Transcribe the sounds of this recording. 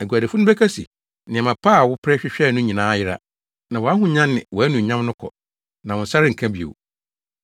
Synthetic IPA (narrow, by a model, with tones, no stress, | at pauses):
æ˨ɡu˨æ˨de˨fʊ˦nʊ̃˦bɛ˦kʰa˦si˨ | nɪ̃˨mã˨pʰaː˦˨wʊ˦pʰɾɛ˦ɕᶣɪ˦ɕᶣɛː˦˨nʊ̃˦ɲĩ˨nãː˦jɪ˦ɾa̰˦ | nã˨wɔ˨a˦ɦʊ̃˨ɲã˦nːɪ̰̃˨wɔ˨æ˦nũ˨ɲã˦m˦nʊ̃˦kʰɔ̰˨ | nã˨wʊ̃˨n̩˨sa˦ɾɪ˦ŋ̩˨kʰã˦bi˨o̰˨w